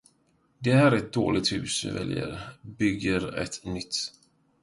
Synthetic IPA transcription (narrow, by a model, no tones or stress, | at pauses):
d̪ɛɦæːɾɛt̪̚d̪oːlɪɡ̚t̪hʉ̟ːsɪvɛ̰ljə̰ɾbʏɡːəɾɛ̰t̪nʏt̪ː